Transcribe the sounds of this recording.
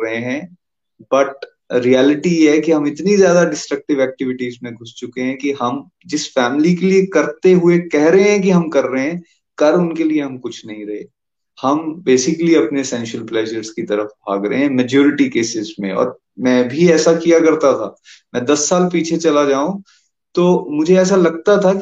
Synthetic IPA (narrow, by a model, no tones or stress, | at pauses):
ɐɦẽɦɛ̃ː | bɐʈ̚ | ɾijɛːlɪʈijeɦkiɦɐ̃mɪt̪nizjaːd̪aɖɪsʈɾɐk̚ʈɪʋɛːk̚ʈɪʋɪʈiːzmẽɡʱʊst͡ʃʊkeɦɛ̃kiɦɐm | d͡ʒɪsfɛːmlikeliekɐɾt̪eɦʊekɛɦɾɐɦẽɦɛ̃k̬iɦɐmkɐɾːɐɦeɛ̃ː | kɐɾʊnkelieɦɐ̃mkʊt͡ʃʰnɐɦĩɾɐɦḛː | hɐmbeːsɪkliɐpnesɛ̃ːnʃəlplɛːʒəɾzkit̪ɐɾəfbʱa̰ːɡɾɐɦeɦɛ̃mɛd͡ʒoːɾɪʈikeːsɪzmḛ̃ɔ̰ːɾ | mɛ̃ːbʱiɛːsakijakɐɾt̪at̪ʰaː | mɛ̃d̪ɐsːaːlpiːt͡ʃʰet͡ʃɐlad͡ʒaːũ | t̪oːmʊd͡ʒʱeɛːs̬alɐɡ̚t̪at̪ʰa